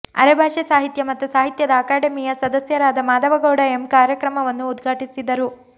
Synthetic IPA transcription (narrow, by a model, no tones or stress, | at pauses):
ɐ̰ɾɐbʱaːʂɐsaːɦit̪jɐmɐt̪ːusaːɦit̪jɐd̪ɐːkaːɖɐmijɐsɐd̪ɐsjɐɾaːd̪ɐmaːd̪ɐʋɐɡoːɽɐemkaːɾjɐkɾɐmɐʋɐnːuːd̪ɡʱaːʈisid̪ɐɾu